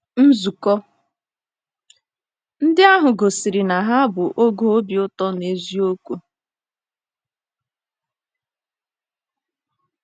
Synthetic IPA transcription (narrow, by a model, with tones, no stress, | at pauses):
n̩˦zu˨kɔ˦ | n̩˦dɪ˦a˦ɦʊ˨ɡo˨si˨ɾɪ˨na˨ɦa˦a˦bʊ˨ʔo˦ɡo˦o˦bjʊ˦tɔ˦ne˨zi˦o˦kʷu˦